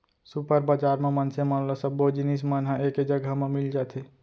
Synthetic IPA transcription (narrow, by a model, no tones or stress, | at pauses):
supəɾbad͡ʒaɾmemənsemənlasəbod͡ʒinismənɦaeked͡ʒəɡʱamemild͡ʒat̪ʰe